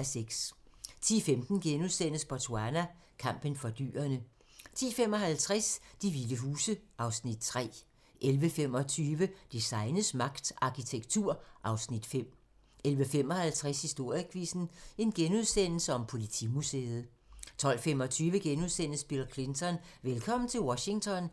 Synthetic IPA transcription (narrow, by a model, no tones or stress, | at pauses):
æseɡ̥st͡sʰḭːfemd̥n̩ɡ̥enuðˠsen̰əspʰɒt͡sʰo̝ænæ | kʰɑ̈m̰b̥ənfɒ̽d̥y̰ːɐnə | t͡sʰḭːfem̰ɒ̽ɦælt͡sʰʁɛsd̥iʋiləɦuːsəʔɑ̈ʊsnid̥̚t͡sʰʁɛ̰ː | ʔelʋəfem̰ɒ̽t͡sʰyːʋəd̥isɑ̈ɪnəsmɑ̈ɡ̥d̥ɑ̈kʰit͡sʰeɡ̥t͡sʰuɐ̰ʔɑ̈ʊsnid̥fem̰ | elʋəfem̰ɒ̽hælt͡sʰʁæshisd̥o̝ɐ̰jəkʰʋisn̩e̝nɡ̥enuð̞ˠsen̰l̩səɒ̽mpʰo̝lit͡sʰḭmusḛːð̞̩ˠ | t͡sʰɒ̽l̰fem̰ɒt͡sʰyːʋəɡ̥enuðˠsen̰əsb̥ilkʰle̝nt͡sʰɒ̽nʋelkʰɒ̽m̰n̩t͡sʰe̝lwɒɕi̝ŋt͡sʰɒ̽n